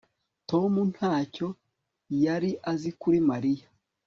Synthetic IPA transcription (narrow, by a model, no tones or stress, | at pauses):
to̞mun̥haːco̞ | jaɾiʔazikuɾimaɾija